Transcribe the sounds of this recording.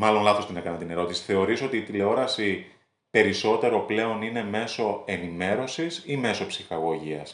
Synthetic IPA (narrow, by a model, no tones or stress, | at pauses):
mɐlo̞nlɐθo̞st̪ine̞kɐnɐt̪ine̞ɾo̞t̪isi̥θe̞o̞ɾiso̞t̪iːt̪ileo̞ɾɐsi | pe̞ɾiso̞t̪e̞ɾo̞ple̞o̞nine̞me̞so̞e̞nime̞ɾo̞sisime̞so̞psixɐɣo̞ʝiɐ̰s